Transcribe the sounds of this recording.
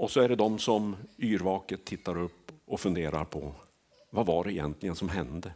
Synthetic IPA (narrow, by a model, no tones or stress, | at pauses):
ɔsɔæɖɛd̪ɔmsɔmyːɾvɑːkət̪ʰːɪt̪ːaɾɵpːɔfɵnd̪eːɾa̰ɾpʰɔ̰ | vavaɖɛɛjɛ̰nt̪lɪɡənsɔmɦɛnd̪ə